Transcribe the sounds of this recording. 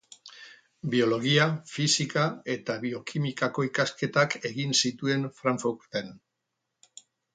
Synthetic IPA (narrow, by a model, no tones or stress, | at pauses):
bio̞lo̞ɣiafisikae̞t̪aβio̞kʰimikako̞ikaske̞t̪ake̞ɣinsit̪ue̞nfɾaɱfuɾt̪en